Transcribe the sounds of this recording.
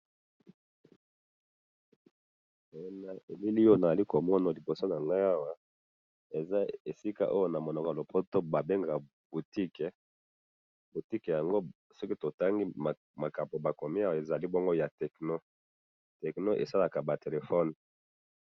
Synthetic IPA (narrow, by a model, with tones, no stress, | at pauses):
na˨ʔe˨li˦li˦o˦na˨za˨li˦ko˨mɔ˦na˨li˨bo˨so˦na˨ŋɡa˦ja˦wa˦ | e˨za˦e˨si˦ka̰˦ʔo˦jo˦na˨mo˨nɔ˨kɔ˨a˨lo˨pʰo˦to˦ba˨be˦ŋɡa˨ | bu˨ti˦kɛ˨ | bu˨ti˦kɛ˨ja˨ŋɡo˦ | sɔ˦ki˦to˨ta˦ŋɡi˦a˨ | ma˨ka˨po˨ba˨ko˨mi˦a˦wa˨e˨za˨li˦bo˦ŋɡo˦ja˨tɛ˨kno˦ | tɛ˨kno˦ʔḛ˨sa˦la˨ka˨ba˨te˨le˨fɔ˦n